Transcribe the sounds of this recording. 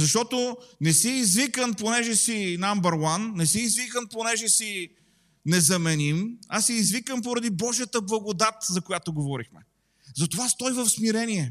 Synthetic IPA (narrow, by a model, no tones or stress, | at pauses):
zɐʃt̪ɔt̪onɛsiːzvikənponɛʒɛsinambəɾwanːɛsiːzvikənponɛʒɛsi | nɛzɐmɛnimasɛːzvikəmpoɾɐd̪ibɔʒijət̪əblˠɐɡod̪at̪zɐkojat̪oɡovɔɾixmɛ | zɐt̪ovast̪ɔjvəfsmiɾɛniɛ